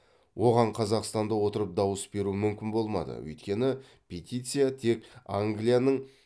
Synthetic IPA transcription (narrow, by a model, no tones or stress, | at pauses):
wʔo̞ʁɑɴqʰɑzɑqst̪ɑnd̪əwo̞t̪əɾəp̚d̪ɑwəsbe̞ɾumʏmkʲɪnbo̞lˠmɑ̰d̪ə̰wɵ̰jt̪kʲe̞nɪ | pʲʰet̪ʲijt̪sɨjat̪ʰe̞kaŋɡlijanəɴ